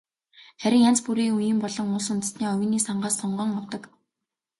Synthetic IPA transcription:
χæɾʲɪ̆ŋjan̥t͡spuɾiːŋujɘ̆mpɔɮɞ̆ŋʊːsʊnt̪ə̆t̪niːɔwʲɪ̆niːsaɴɢaːsɔɴɢɞ̆ːŋɔwt̪ɞ̆k

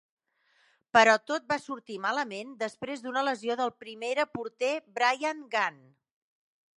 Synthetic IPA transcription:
pəɾɔt̪ot̪̚basuɾt̪imaləmend̪əspɾezd̪unələzioðəlˠpɾimeɾəpuɾt̪ebɾajaŋɡan

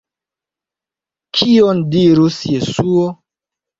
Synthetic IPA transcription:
kʰiondiɾusjesuo

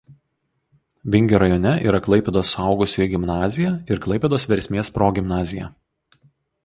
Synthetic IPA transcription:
ʋʲɪŋʲɡʲoːɾɐjonʲɛʔḭːɾɐklˠɐɪpʲɛd̪oːsɑˑʊɡʊsʲuiɡʲɪmnɑːzʲɪjæˑɪɾklˠɐɪpʲɛd̪oːsʋʲɛɾʲsʲmʲeːspɾoːɡʲɪmnɑːzʲɪjæ

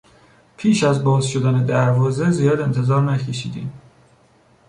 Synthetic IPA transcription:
pʰiːʃæzbɒːzʃo̞d̪æne̞d̪æɾvɒːze̞zijɒːd̪e̞nt̪ʰe̞zɒːɾnæcʰe̞ʃḭːd̪ḭːm

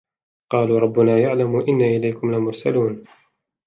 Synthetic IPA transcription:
qɑːluːɾˤɑbːʊnaːjaʕlamuːʔɪnːaʔɪlajkʊmlamʊɾˤsaluːn

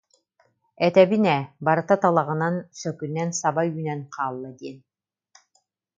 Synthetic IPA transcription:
ɛt̪ɛbinɛbaɾɯt̪at̪alˠaʁɯnansœkynɛnsabajyːnɛnqʰaːlˠːad̪iɛn

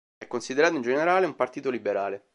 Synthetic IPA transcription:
ɛkːonsid̪eɾaːt̪oĩnd͡ʒeneɾaːleumpart̪iːt̪olibeɾaːle

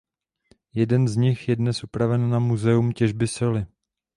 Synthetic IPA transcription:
jɛdɛnzɲɪxjɛdnɛsʔupɾavɛnːamuzɛumcɛʒbɪsɪlɪ

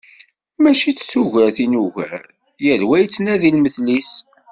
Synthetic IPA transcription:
mæʃit͡sːsuʝæɾθinuʝæ̰ɾ | jəɾwæjt͡sːnæðilməθlis

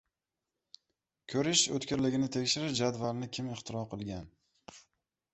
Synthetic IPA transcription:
kʲʰɵɾɪʃɵt̪kʲɪɾlɪɡʲɪnɪt̪ʰe̞kʲʃɪɾɪʃd͡ʒad̪valnɪkʲʰɪmɪχt̪ʰɪɾɒqʰɨlˠɡʲan

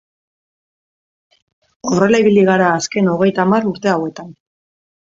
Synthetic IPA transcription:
o̞re̞laiβiliɣaɾaːske̞no̞ɣ̞e̞jt̪amaruɾt̪e̞awe̞t̪an

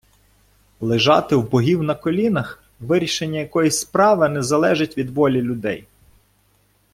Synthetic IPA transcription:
lˠɪʒɑt̪ɪwbɔɦʲiwnɐkɔlʲinɐx | ʋɪɾʲiʃenʲːɐjɐkɔjisʲspɾɑʋɪnɛzɐlˠɛʒɪtʲʋʲid̪ʋɔlʲilʲʊd̪ɛj

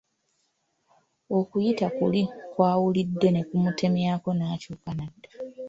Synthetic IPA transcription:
o̞kujitakulikwaːwulidːe̞ne̞kumutʰe̞mjaːko̞naːcuːkanadːḁ

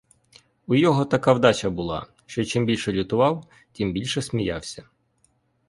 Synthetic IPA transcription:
ujɔɦɔt̪ɐkɑwd̪ɑt͡ʃɐbʊlˠɑ̰ | ʃt͡ʃɔt͡ʃɪmbʲilʲʃɛlʲʊt̪ʊʋɑw | tʲimbʲilʲʃɛsmʲijɑwsʲɐ

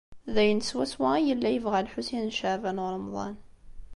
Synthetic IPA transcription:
ðæjənswæswæjəlːæjəvʁælħusinʃəʕvænɾˤəmðˤɑ̰n

